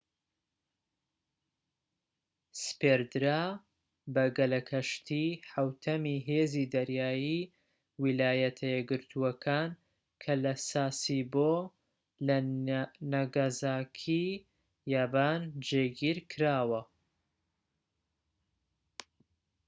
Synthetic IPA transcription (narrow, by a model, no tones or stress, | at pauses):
speɾd̪ɾaː | bɐɡɐlɐkʰɐʃt̪ʰiħawt̪ʰɐmiɦezid̪ɐɾjaːji | wilaːjɐt̪ʰɐjɛɡɨɾt̪ʰuɐkʰaːn | kʰɐlɐsaːsibo | l | nɐɡazaːkʰi | jaːbaːnd͡ʒeɡiːɾkʰɨɾaːwɐ